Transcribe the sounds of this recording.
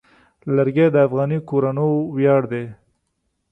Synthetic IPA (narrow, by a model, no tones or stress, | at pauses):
laɾɡed̪əafɣɑnikoɾanowjɑɽd̪e